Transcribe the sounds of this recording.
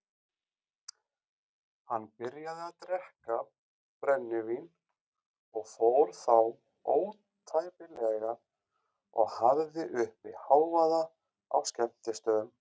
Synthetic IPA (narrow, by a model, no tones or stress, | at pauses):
hanːpɪɾjaðɪaðt̪ɾɛhka | pɾɛnːɪvin | ɔɣfowɾ̥θaw | oːw | t̪ʰajpɪlɛɣa | ɔɣhavðɪʔʏhpɪhaːwvaða | a̰wscɛm̥t̪ɪst̪œːðʏm